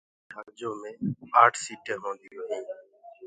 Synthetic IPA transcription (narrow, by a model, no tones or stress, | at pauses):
ɖʱəɡd͡ʒoːmẽːaːʈʰsiːʈʰeːɦõːnd̪ɪjoːɦĩː